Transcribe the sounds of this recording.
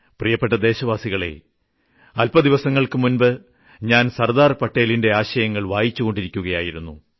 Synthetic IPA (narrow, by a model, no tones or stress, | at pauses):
prijɐpːe̞ʈːɐd̪e̞ːɕɐʋaːsiɣɐɭe̞̰ | ɐlpɐd̪iʋɐsɐŋːɐɭkɨmunbɨ | ɲaːnsɐrd̪aːrpɐʈːe̞ːlinde̞aːɕɐjɐŋːɐɭʋaːjit͡ɕːuɣo̞ɳɖiɾikʲːuɣɐjaːjiɾunːu